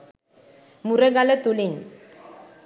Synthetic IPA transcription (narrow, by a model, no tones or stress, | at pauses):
mureɡalet̪uliɲ